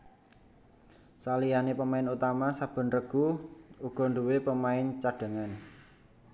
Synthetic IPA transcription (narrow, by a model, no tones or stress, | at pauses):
salijanepəmaɪnut̪amasab̥ə̤nrəɡ̥uuɡ̥ɔ̤ɳɖuwepəmaɪnt͡ʃaɖ̥ə̤ŋan